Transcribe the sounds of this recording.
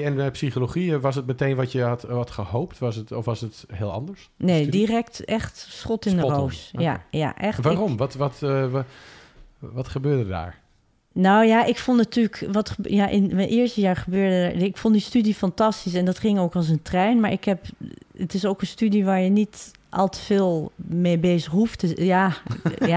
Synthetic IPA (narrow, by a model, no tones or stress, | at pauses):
ɛnmɛpsiχoloχiəʋɑs̬ət̚mətejnʋɔtjəɦɑtʋɑtχəhowptʋɑsətɔfʋɑsətɦɪːlˠɑ̰ndəɹsnejdirɛktɛχtsχɔtɪndərowsja̰ja̰ʔɛxʋaːrɔmʋɔtʋɑt | ʋɔtχəbøːɹdəda̰ːɹ | nawjaʔɪkfonˠnatyːləkʋɔtəjaʔɪnʔɪəɹstəjaːɹχəbøːɹdəda̰ɹɪkfɔndistydifɑntɑstis̬ɛndɔtχɪŋoːkɔlˠs̬əntrɛjnmaːɹɪkhɛpətɪsokənstydiʋaːɹjənit | ʔɑ̰lˠtə̥feːlˠmeːbeːzəχɦuftəja | a